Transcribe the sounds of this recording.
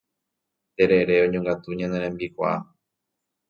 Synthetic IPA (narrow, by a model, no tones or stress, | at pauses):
t̪e̞ɾe̞ɾe̞õɲõŋɡat̪uɲãneɾ̃ẽmbikʷa̰a